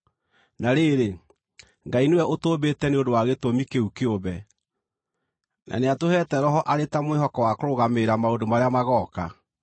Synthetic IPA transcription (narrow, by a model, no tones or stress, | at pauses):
naɾeːɾe | ŋɡainewɛʔotoːβetɛneondowaɣetomikeukeoβɛ | nʔa̰neatohɛːtɛɾɔɦɔʔaɾetamwehɔkɔwakoɾoɣameɾamaondomaɾeamaɣɔːka